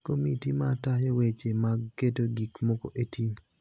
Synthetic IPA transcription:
komitimatajewet͡ʃemaɡetoɡikmoko̰ʔetʰi

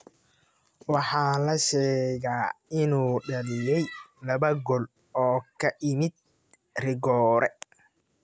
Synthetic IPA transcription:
wɑħɑːlɐʃɛːɣaːɪnuːɖɐlɪjɛjlɐβɐɡɔl | ɔːkʰɐʔɪmɪd̪̚ | rɪɡɔːɾʔɛ

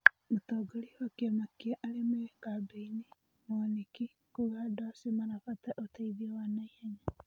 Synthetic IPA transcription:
mot̪ɔːɡoliwakiemakiaʔalemeekabeini | moniki | kuɣadɔsimanafat̪aʔotaiðiɔwanaihaɲa

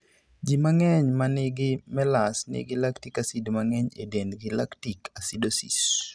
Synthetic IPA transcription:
d͡ʒimaŋɛɲmanɪɡɪmɛlasnɪ̰ɡɪlaktikasidmaŋɛɲḛdendɡɪlaktikʰasidosḭs

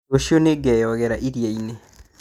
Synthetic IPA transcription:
oʃioneɡɛjɔɣɛɾaʔiɾjeine

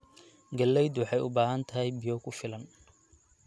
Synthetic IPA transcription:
ɡɐlːɛjd̪wħɑjʊbaːɦɐnt̪ʰɐɦɛjbɪjɔkʰʊfɪlɐn

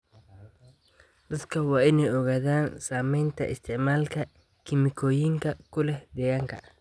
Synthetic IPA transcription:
d̪̥ɐd̪kʰɐwɑːɪnɛjɔɣaːðaːnsaːmɛjnt̪ʰɐ̰ʔɪ̰st̪ʰɪʕmaːlkʰɐ | kʰɪmɪkʰɔːjɪŋkʰɐkʰʊlɛhd̪ɛːɣaːŋkʰɐ̰

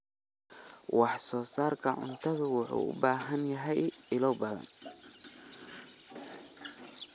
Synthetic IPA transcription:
wɑħsɔːsaːrkʰɐʕʊ̰nt̪ʰɐðʊwʊħṵːʔʊ̰baːɦɐnjɐɦɛjɪlɔbɐðɐ̰n

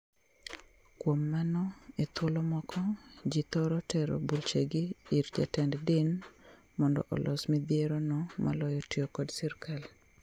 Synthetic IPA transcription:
kwomːanɔet̪wolɔmɔkʰɔd͡ʒit̪ɔɾɔtɛɾo̰bult͡ʃeɡiːɾd͡ʒa̰tɛnddɪn | mɔndɔ̰ʔɔ̰lʔɔsmid̪ɪeɾɔnɔmʔa̰lɔjɔtɪokɔdsiɾkʰal

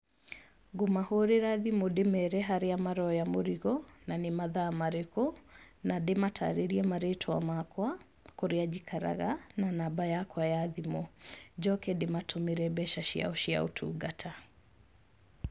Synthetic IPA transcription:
ɡomahoɾeɾaðimodemɛɾɛɦaɾeamaɾɔjamoɾiɣɔnanemaðaːmaɾekonadematʰa̰ɾeɾiɛmaɾetʰɔa̰makwa | koɾead͡ʒikʰaɾa̰ɣananabajakwajaðimod͡ʒɔkɛdematʰomeɾɛbɛʃaʃia̰oʃia̰o̰tʰṵːɡatʰa

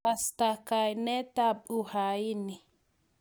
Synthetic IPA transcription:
ɐst̪akajnɛt̪apʼːʊhajɪnːɪ

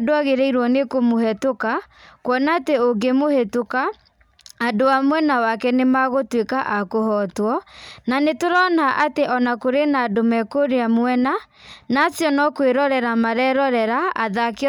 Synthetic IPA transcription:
doaɣeɾɛiɾwɔnekomohɛtoka | kwɔnaːteoɡemohetokaː | doamwɛnawakɛnemaɣotwekaʔakohɔtwɔnanetoɾɔnaʔateʔɔnakoɾenaːdomɛkoɾeamwɛna | nasjɔnɔkweɾɔɾɛɾamaɾɛɾɔɾɛɾaaðake

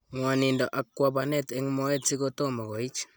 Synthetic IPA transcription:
ŋwanindoʔakːwabanɛtɛŋmɔɛtsikotomakoit͡ʃ

